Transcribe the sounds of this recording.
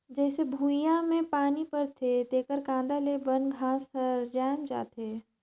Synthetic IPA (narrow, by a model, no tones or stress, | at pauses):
d͡ʒɛːsebʱuːjãmẽpaːnipəɾt̪ʰet̪eːkəɾkãːnd̪alebənɡʱãːsəɾd͡ʒaːmd͡ʒa̰ːt̪eː